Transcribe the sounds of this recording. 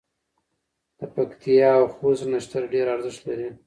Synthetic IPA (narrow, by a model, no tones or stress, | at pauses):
d̪̥əpakt̪ʰijɑːwxoznaʃt̪aɾɖeɾaɾzɪʃt̪laɾi